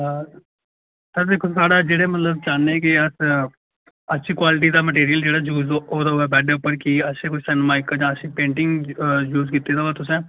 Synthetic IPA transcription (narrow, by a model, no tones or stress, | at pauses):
t̪aːd̪eːkʰːosaːɽaːd͡ʒeːɽeːmət̪ləbt͡ʃaːnːẽːkɪəs | ətːʃʰiːkwaːlɪʈ̬iːd̪aːməʈiːɾijəld͡ʒeːɽaːd͡ʒuːzoːd̪aːoɛːbɛːɖeːʊpːəɾkiəsẽːkʊʃsɛːnmaːɪkad͡ʒãːəsĩːpẽːɳʈɪŋɡjuːzkiːt̪ːeːd̪aɦʊaːt̪ʊs̬ɛ̃ː